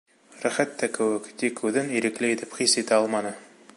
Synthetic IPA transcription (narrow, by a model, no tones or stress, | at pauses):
ɾæχæt̪ːækɘ̆wɘkt̪ikːʉðɘniɾɘ̆klɘit̪ɘpχisit̪æɑlˠmɑnɤ